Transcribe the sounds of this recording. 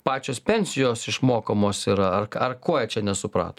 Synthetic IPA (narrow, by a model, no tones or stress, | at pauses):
pɑːt͡ʃʲoːspʲɛnʲsʲɪjoːsɪʃmoːkoːmoːsiːɾɐɐrɐrkoɔjɛt͡ʃʲɛnʲɛsʊpɾɑ̰ːt̪o